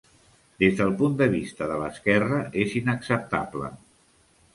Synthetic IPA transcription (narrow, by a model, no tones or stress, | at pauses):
d̪ezðəlˠpund̪əβ̞ist̪əðələskɛrəʔezinəksəp̚t̪a̰blə̰